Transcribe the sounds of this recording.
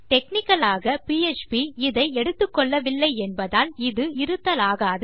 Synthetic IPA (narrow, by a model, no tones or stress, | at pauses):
t̪ɛknɪkːɐlaːɣɐpiːɛt͡ʃpiɪðɐɪɛɽɯt̪ːɯkːɔɭːɐʋɪlːɐɪɛnbɐðaːlɪðɯɪɾɯt̪ːɐlaːɣaːðɯ